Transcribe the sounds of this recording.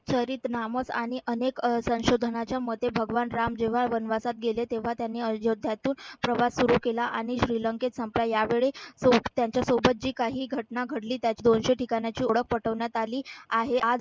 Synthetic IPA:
t͡ɕʰəɾiːt̪naməsa̰ɽ̃iʔəneksə̃w̃ɕod̪ʱənat͡ɕjamət̪ebʱəɡʋanɾamd͡ʑeʋ̤aʋənʋasat̪̚ɡelet̪eʋ̤at̪janːiːəjod̪ʱːjat̪uːnpɾəʋasːuɾukelaʔaɽ̃iɕɾiːləŋket̪səmplajaʋeɭesot̪jaɲt͡ɕjasobət̪̚d͡ʑiːkaɦiːɡʱəʈnaɡʱəɽliːt̪jat͡ɕiːd̪onɕeʈikaɳjat͡ɕiːoɽək̚pəʈəʋɳjat̪aliːaɦead͡z

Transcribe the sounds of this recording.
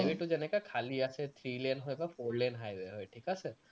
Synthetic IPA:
jʋeʈud͡ʒenekakʰaliəset̪ʰɾiːlenɦɔjt̪afoɾlenɦajʋeɦɔjʈʰikəse

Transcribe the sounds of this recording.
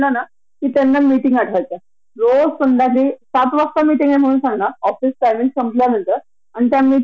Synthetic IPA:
lana | kiːt̪anːamiʈiŋɡaʈʰʋajt͡sa | ɾosəɳd̪akiːsat̪ʋəst̪amiʈiŋɡam̤əɽũːnsãŋɡnaɔfisʈajminʈsəmpljan̤ənt̪əɾ | añit̪jami

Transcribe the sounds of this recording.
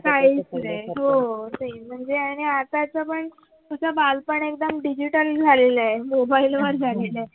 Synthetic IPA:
kaɦisɾeɦot̪em̤əɳd͡zeaɽ̃iat̪at͡səpəɳ | kəsəbalpəɳek̚d̪əmɖid͡ʑiʈəld͡zʱaleləemobailʋəɾd͡zʱalele

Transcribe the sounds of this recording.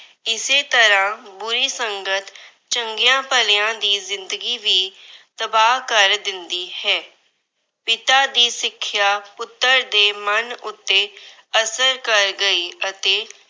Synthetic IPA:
ɪseːt̪əɾãːbʊɾiːsəŋɡət̪ | t͡ʃəŋɡɪjãːpəleãːd̪iːzɪnd̪əɡiːʋiːt̪əbaːɦkəɾd̪ɪnd̪iːhɛː | pɪt̪aːd̪iːsɪkʰːjaːpʊt̪ːəɾd̪eːmənʊt̪ːeː | əsəɾkəɾɡəiːət̪eː

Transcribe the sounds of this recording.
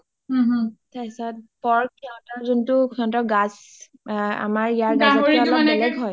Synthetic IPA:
ɦɦtasat̚bɔɹkiãtaɹzuntʊkʰɔ̃ntɔɡas | a̰maɹijaɹɡaɔalɔbɛlɛɡɦɔj

